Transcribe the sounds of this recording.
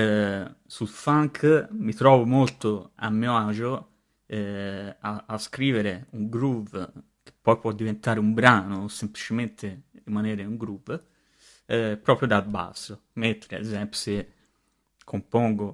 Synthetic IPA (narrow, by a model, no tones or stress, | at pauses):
sulfaŋkʰmit̪ɾɔːvomolt̪oa̰mːjad͡ʒo | ɛaaskɾiːveɾeuŋɡɾuv | k̟e̥pːɔjpwɔd̪ːivent̪aːɾeumbɾaːnosemplit͡ʃement̪eɾimaneːɾeuŋɡɾuv | pɾɔːpɾjod̪aba̰sːo | ment̪ɾeḛzɛmpjo̥se | kʰːompɔŋɡo